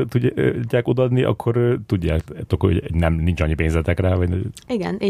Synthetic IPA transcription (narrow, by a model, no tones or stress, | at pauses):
t̪uɟːaːkod̪ɒd̪niʔɒ̰kʰːo̞ɾt̪uɟːa̰ːkt̪o̞kho̰ɟnɛmnint͡ʃɒ̰ɲːipeːnzɛt̪ɛkraːvɒɟniɡɛni